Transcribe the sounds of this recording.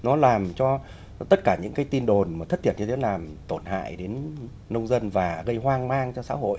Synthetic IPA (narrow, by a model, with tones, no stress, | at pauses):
nɔ˨˦laː˨˩mt͡ɕɔ˧ | t̪ə˦˥t̚kaː˧˩ɲɨ̰˧˥ŋkaː˨˦jt̪i˧nɗo˨˩nmaː˨˩ə˦˥t̪ʰi˧˩ənɲɨ˧t̪ʰe˨˦laː˨˩mt̪o˧˩nha̰ː˧˨jɗe˨˦n | nə˧wŋ͡mzə˧nvaː˨˩ɣə˧jɦwaː˧ŋmaː˧ŋt͡ɕɔ˧sa̰ː˧˥ho̰˧˨jʔ